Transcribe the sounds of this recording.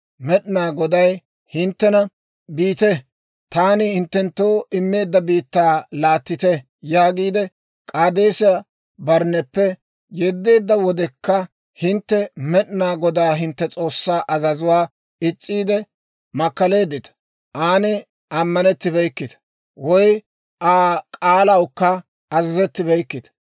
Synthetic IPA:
mɛɗɪnaːɡɔd̪ɐj | hɪnt̪ːɛnɐ | biːt̪ɛ | t̪aːnɪhɪnt̪ːɛnt̪ːoːʔɪmːe̞ːd̪ːɐbiːt̪ːaːlaːt̪ːɪt̪ɛ | jaːɡiːd̪ɛ | kʼaːd̪eːsɪja | bɐɾnːɛpːɛ | jɛd̪ːe̞ːd̪ːɐwɔd̪ɛkːɐ | hɪnt̪ːɛmɛɗɪnaːɡɔd̪aːɦɪnt̪ːɛt͡sʼo̞ːsːaːʔɐzɐzʊwaː | ɪt͡sʼːiːd̪ɛ | mɐkːɐle̞ːd̪ːɪt̪ɐ̥ | ʔaːnɪ | ʔɐmːɐnɛt̪ːɪbɛjkːɪt̪ɐ̥ | wɔj | ʔaːkʼaːlɐwʊkːɐ | ɐzɐzɛt̪ːɪbɛjkːɪt̪ɐ̥

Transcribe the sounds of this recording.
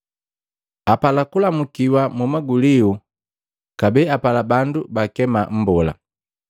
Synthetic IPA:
apalakulamukiwamumaɡuliu | kabɛapalabandubakɛmam̩bɔla̰

